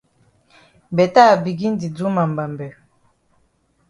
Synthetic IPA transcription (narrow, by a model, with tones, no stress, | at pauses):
bɛ˨ta˦˨bi˨ɡi˦n˦di˨d͡zu˦ma˨mba˨mbɛ˨